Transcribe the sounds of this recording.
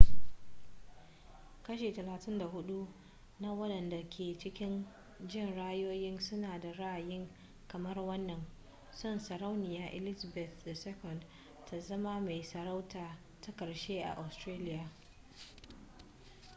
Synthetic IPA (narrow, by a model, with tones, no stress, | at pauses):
kɐ˦ʃeː˨tɐ˨laː˨tɪ˦nda˨hʊ˦ɗu˦ | na˦wɐ˦ɗɐ˨nda˨kʲʰeː˨t͡ʃɪ˦kʲɪ˦n | d͡ʒɪ˦˨nɽaː˦joː˦jɪ˦nsʊ˦naː˨da˨ɽa˦ʔa˨jɪ˦ŋ | kɐ˨mɐ˦rwɐ˦nːɐ˨n | sʊ˦˨nsɐ˨ɾa˦wnɪ˨jaː˦ʔɛ̰˨lɪ˦za˨bɛ˨θda˨sɛ˦kɔ˨nd | tʰa˨zɐ˦ma˦ma˨jsɐ˨ɾa˦wtaː˨ | ta˦kɐ˨ɽʃeː˦ʔa̰˨ʔa˨stɾeː˦lɪ˦jaː˨